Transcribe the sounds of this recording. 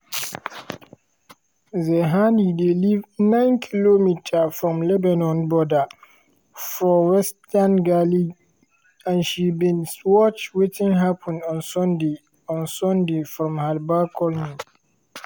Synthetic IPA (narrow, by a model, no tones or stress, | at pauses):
zɛɦanidelivnãɪ̃nkʰilomitʰafɹɔ̃mlɛbãnɔ̃nbɔda | fɹɔ̃wɛstanɡali | ãnʃibĩnwɔt͡ʃwetĩŋɦapʰɔ̃ndɔ̃nsɔ̃nde | ɔ̃nsɔ̃ndefɹɔ̃mhalbakʰɔlni